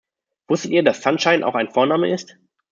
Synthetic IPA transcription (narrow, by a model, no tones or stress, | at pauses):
v̥ʊstətiːɐdasːanʃaɪnʔa̰ʊxaɪnfoːɐnaːmə̰ʔɪst